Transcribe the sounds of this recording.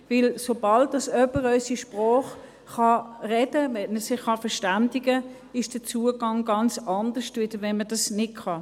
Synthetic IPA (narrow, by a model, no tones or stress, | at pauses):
vɪlsobɑldɑsœpəʁœʏsiʃpʁɔːχ | χɑʁɛdəʋɛnəsɪχχɑfəʁʃtandiɡə | ɪʃd̥ət͡suːəɡɑŋɡɑnt͡sɑndəʃtvɪd̥əʋɛnmədɑsnɪtkʰɑ